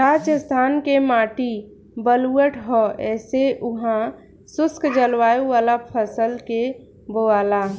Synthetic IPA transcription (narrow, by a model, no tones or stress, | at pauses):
ɾad͡ʒəst̪ʰankemaːʈi | bəluəʈʰɦɔɛːseʔuɦã | sʊskd͡ʒəlwajuʋalapʰəsəlke | boala